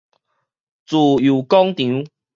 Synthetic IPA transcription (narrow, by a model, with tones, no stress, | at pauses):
t͡su˨˩u˨˩kɔ˦ŋt̪ĩ˨˦